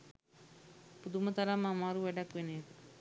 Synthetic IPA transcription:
pud̪umət̪ɐɾamːamaːɾuʋɛɖɐkʋeneːt̪

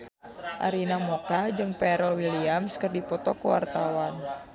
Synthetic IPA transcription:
ʔa̰ɾinamɔkad͡ʒɨŋpɛɾəlwiliamskərdipɔt̪ɔkuwa̰rt̪awan

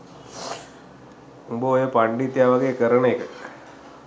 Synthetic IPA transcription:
umboojəpaɳɖit̪ːjaʋaɡekəɾənəekə

